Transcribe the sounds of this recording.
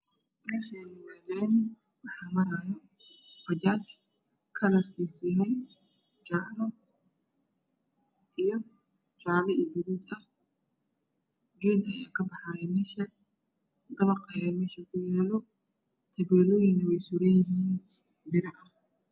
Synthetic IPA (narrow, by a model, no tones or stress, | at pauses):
mɛːʃɛnɪwɛɣɛn | wɑħaːmɐɾaːjɐ | fɐd͡ʒaːt͡ʃ | kʰɐlɐrkʰiːsiːɦɛj | t͡ʃaʕlɔ | ʔijɔ | t͡ʃaʕlɛʔɪdɪɾiːd̪ɐh | ɡɛːnɐja̰ːkʰɐbɑħaːjɛmɛːʃɐ | d̪ɐβɐqʰɐjɛmɛːʃɐkʰʊjaːlɔ | t̪ʰɐβɛːlɔːjɪŋnɐwɛjsʊɾɛjɪɦiːn | bɪɾɐʔɐ